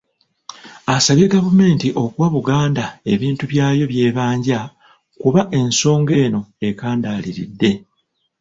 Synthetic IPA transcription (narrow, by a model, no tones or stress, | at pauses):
asaβje̞ɡavume̞ːntiʔo̞kuwaβuɡaːndae̞βiːntuβjaːjo̞βje̞ːβaːɲɟa | kuβaʔe̞nso̞ːŋɡe̞ːno̞e̞kaːndaːliɾḭdːe̞